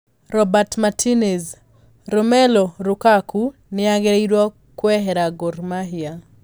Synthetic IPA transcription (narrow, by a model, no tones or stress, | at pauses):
ɾɔbatmatʰinɛz | ɾumɛlɔɾukakʰu | nɪaɡeɾiɾwɔ | kwɛɦɛɾaɡɔɾmaɦia